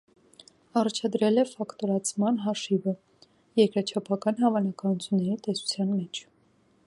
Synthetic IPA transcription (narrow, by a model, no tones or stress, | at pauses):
ɑrɑt͡ʃʰɑd̪ɾɛlɛfɑkt̪ɔɾɑt͡sʰmɑnɦɑʃivə | jɛɾkɾɑt͡ʃʰɑpʰɑkɑnɦɑvɑnɑkɑnut͡sʰjunːɛɾit̪ɛsu̥t͡sʰjɑnmɛt͡ʃʰ